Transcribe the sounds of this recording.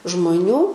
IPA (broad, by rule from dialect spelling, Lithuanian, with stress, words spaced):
ʒmoːˈnʲuː